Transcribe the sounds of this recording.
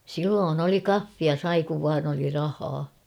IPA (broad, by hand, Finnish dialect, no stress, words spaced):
silːoːn oli kɑfːiɑ sɑi kuʋ ʋɑːn oli rɑhɑː